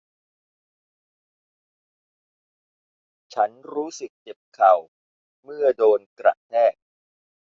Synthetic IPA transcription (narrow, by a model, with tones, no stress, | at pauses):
t͡ɕʰa˦˥nɾuː˦˥sɯ˨˩k̚t͡ɕe˨˩p̚kʰa˨˩w | mɯ˥˩ɐdoː˧nkɾa̰˨˩ʔt̪ʰɛː˥˩k̚